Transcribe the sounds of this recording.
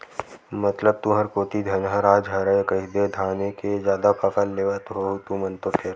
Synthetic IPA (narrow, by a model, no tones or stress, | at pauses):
mɐt̪ləb̚t̪uɦəɾkoːt̪id̪ʱɐnɦəɾaːd͡ʒɦɐɾəekəɦid̪ed̪ʱaːnekezjaːd̪apɐkəlːeːʋət̪ɦot̪umə̃nt̪okʰeɾ